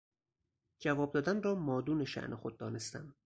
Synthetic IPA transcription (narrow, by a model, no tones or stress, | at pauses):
d͡ʒævɒːb̚d̪ɒːd̪ænrɒːmɒːd̪uːne̞ʃæ̰ʔnʔexod̪̚ːɒːne̞st̪æ̰m